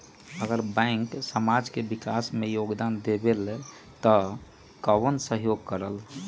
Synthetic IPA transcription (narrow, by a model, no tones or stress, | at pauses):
əɡəɾbɛ̃ɪŋksəmad͡ʒkebɪkasmẽjoːɡd̪and̪ebele | t̪ə | kəwənsəɦjoːɡ̚kəɾəl